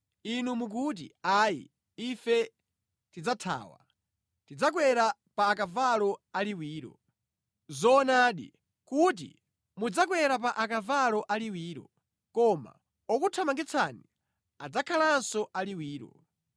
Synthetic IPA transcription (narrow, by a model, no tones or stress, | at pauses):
inumuk̬ut̬ḭaːjḭ | ifɛ | tid͡zatʰa̰ːwa̰ | tid͡zak̬wɛɾapaːkavalɔaliwiːɾɔ̰ | zɔːnaːɗḭ | kut̬ḭ | mud͡zak̬wɛɾap̬aʔakavalɔʔaliwiːɾɔ̰ | kɔma̰ | ɔkutʰamaŋɡɛt͡sʰani | ad͡zakʰalansɔʔaliwiːɾɔ̰